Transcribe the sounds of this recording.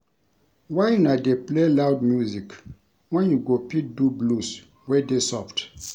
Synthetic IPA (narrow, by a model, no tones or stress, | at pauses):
wajnadeplelawdmjuzik | wɛ̃njuɡopit̚dublus | wɛdesɔft